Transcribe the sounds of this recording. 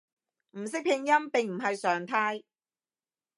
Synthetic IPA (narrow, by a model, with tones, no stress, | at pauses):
m̩˨˩sɪ˥k̚pʰɪ˧ŋjɐ˥mpɪ˨ŋm̩˨˩ɦɐ˨jsœː˨ŋt̪ʰaː˥j